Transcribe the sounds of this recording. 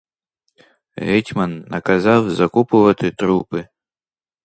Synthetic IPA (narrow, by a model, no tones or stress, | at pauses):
ɣɛtʲmɐnːɐkazawzɐkupʊvɐt̪ɨt̪ɾupɨ